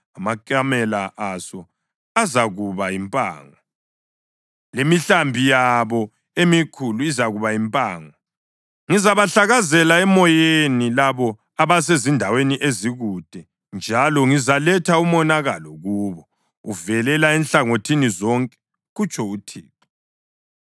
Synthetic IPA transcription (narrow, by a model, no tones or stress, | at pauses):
amakʼamɛlaʔasɔ | azaɣuβaimpʼa̰ːŋɔ | lemiɬambʱijaβɔ | emikʰuluizaɣuβaimpʼaːŋɔ | ŋizaβaɬaɣazɛlaɛmɔjenilaβɔ | aβas̬ezindʱaweniʔeziɣud̥ʱɛ | nd͡ʒʱalɔŋizalɛtʰaumɔnaɣalɔɣuːβɔ | uvɛlɛlaɛnɬaŋotʰinizɔŋkʼɛ̥ | ɣut͡ʃʰʼɔutʰḭːtʰɔ̥